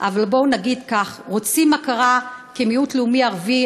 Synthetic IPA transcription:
ʔavalbo̞naɡid̪kaχʁot͡simːakaʁakemiutleumiaʁvi

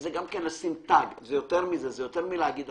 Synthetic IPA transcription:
zeɡamkenlasimt̪aɡzejot̪eʁmizezejot̪eʁmileaɡid̪

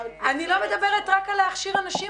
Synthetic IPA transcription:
anilo̞med̪abe̞ʁetʁakaleaχʃiʁanaʃi

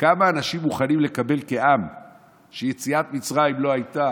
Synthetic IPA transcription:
kamaːnaʃimːuχanimle̞kabe̞lke̞ʔam | ʃeje̞t͡siat̪mit͡sʁaimlo̞ajt̪a

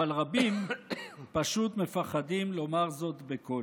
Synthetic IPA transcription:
alʁabim | paʃut̪me̞faχad̪imlo̞maʁzo̞t̪beko

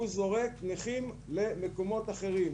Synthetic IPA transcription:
uzo̞ʁektniχimle̞mekomo̞t̪aχe̞ʁim

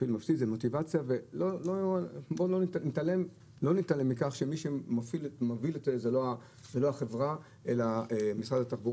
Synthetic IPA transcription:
filmafsit̪zemo̞t̪ivat͡sijave̞lolobolonnit̪alem | lo̞nit̪alemːikaχʃemiʃemofilmaviletzeloa | zelo̞aχe̞vʁa | ʔe̞laemisʁad̪at̪aχbuʁ

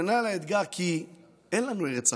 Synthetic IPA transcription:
enalaed̪ɡaʁkʰi | enlanueʁet͡sa

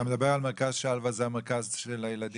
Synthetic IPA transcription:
amed̪abeʁalmeʁkazʃealvazeameʁkazʃelajelad̪i

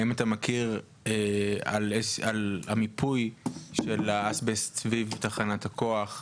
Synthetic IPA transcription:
imat̪amakʰiʁ | ea̰lealamipʰujʃelaasbessvivt̪aχanathako̞aχ

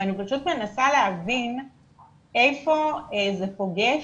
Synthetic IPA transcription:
anipaʃut̪me̞nasaleavin | ejfo̞ezepo̞ɡe

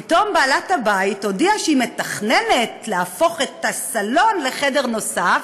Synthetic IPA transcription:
pit̪o̞mbaːlathabaitodiaʃeime̞taχnene̞tleafo̞χe̞tasalo̞nle̞χede̞ʁno̞saf

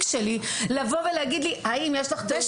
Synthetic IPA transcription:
kʃelilavo̞veleaɡid̪liaimjeʃlaχd̪eʃ

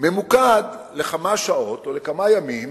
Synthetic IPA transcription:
me̞mukad̪le̞χamaʃao̞t̪olekamajamim

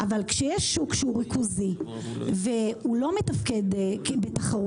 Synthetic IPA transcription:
ʔavalkʃejɛʃːukʃeuʁikʰuzi | veulo̞metafke̞dkbetaχaʁu

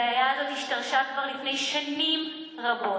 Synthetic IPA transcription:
ajaːdotiʃtaʁʃaːtvaʁlifnejʃaniːm | ʁaboː

